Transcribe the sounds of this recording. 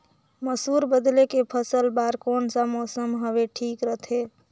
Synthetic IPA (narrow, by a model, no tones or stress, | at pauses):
məsuɾbəd̪lekepʰəsəlbaɾkonsə̃mɔsəmɦəbeʈʰikɾət̪ʰe